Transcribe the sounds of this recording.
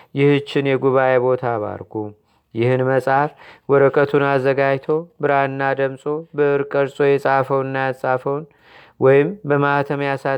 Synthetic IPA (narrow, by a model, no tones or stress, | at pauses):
jɪhɨt͡ʃːɪnjɛɡuβaʔebo̞t̪ʰaβa̰ɾɡu | jɪhɨnməsʼafwɔɾəkʼət̪ʰunazːəɡajt̪ʰowbɨɾaɨnːad̪əmsʼo̞bəɨɾkʼəɾsʼo̞jɛsʼafəwɨnːajasʼafəwn | wɔjɪmbəmaht̪ʰəmjasa